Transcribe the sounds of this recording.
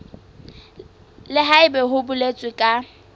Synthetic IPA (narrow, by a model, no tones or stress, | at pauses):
lɪɦaɪbɛɦʊbʊlet͡sʼwɪkʼa